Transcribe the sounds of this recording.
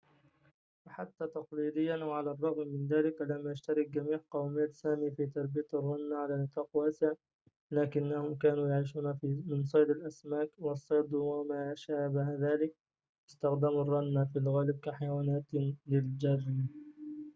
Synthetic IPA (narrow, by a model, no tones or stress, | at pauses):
waħat̪ːaːt̪ɑqliːd̪ɪjːanʔwʕalarˤːɑɣmːɪnðaːlɪklamːʔaʃt̪aɾˤɪk̚ɡamiːʕqɑwmaːt̪saːmiːfiːt̪ɑɾˤbijat̪ɑrˤːɑnːaʕalaːnɨt̪ˤɑːqwaːsɪʕa | laːkɪnːahʊmkaːnuːjaʕiːʃ̬uːnafimɪnsˤɑjd̪ˤɪlʔasmaːkwɑsˤːɑjd̪ˤwamaːʃaːbaɦaðaːlɪk̚ | ʔɪst̪axd̪amɑrˤːɑnːafilɣaːlɪb̚kaħajawaːnaːt̪lɪld͡ʒɑɾˤn